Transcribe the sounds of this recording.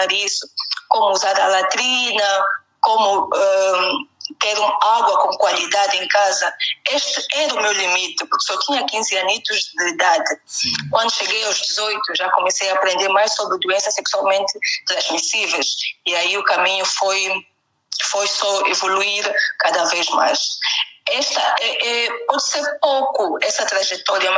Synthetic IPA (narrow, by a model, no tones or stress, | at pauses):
aɾisu̥komuuzaɾɐlat̪ɾinɐ | kõmʊɛ | t̪eɾũaɡwɐkõkwalid̪ad̪ẽkazɐeʃt̪ɨɛɾɐumewlimit̪ɨpuɾksɔt̪ĩɲɐkĩzɨanit̪uʒd̪ɨid̪ad̪ɨkwɐ̃nd̪uʃeɡejawʒd̪izojt̪uʒakomesejaːpɾẽnd̪eɾmajʃsobɾɨd̪uẽsɐseksualˠmẽnt̪ɨt̪ɾɐ̃ʒmisivejʃiaiukamĩɲufoj | fojsɔevoluiɾkad̪ɐveʒma̰jʃ | ɛʃt̪ɐɛʔɛpɔd̪ɨseɾpowkuɛsɐt̪ɾaʒɛt̪ɔɾjɐ